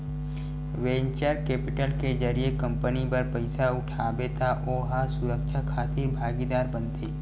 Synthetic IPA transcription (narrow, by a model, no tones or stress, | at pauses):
ʋẽːɲt͡ʃəɾkeːpɪʈəlked͡ʒəɾiekə̃mpənipɐɾpəɪsaʊʈʰaːbet̪aʔoːɦasʊɾəkʃʰakʰaːt̪ebʱaːɡid̪aːɾbə̃nt̪eː